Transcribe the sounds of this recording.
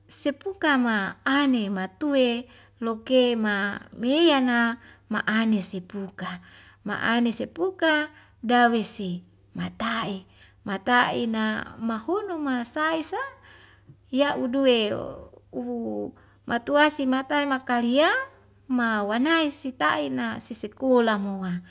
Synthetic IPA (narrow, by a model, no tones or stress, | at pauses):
sepukamaːnemat̪ue | lokemamejanama̰ʔanesepuka | ma̰ʔa̰nesepuka | dawesi | mat̪ai | mat̪aḭnamahunumasaisa | jaʔudue | u | mʔat̪uasimat̪aimakalia | mawanaisit̪a̰ʔinasisekolamoa